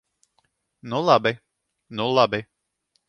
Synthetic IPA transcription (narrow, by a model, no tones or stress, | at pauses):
nulˠabɪ | nulˠabɪ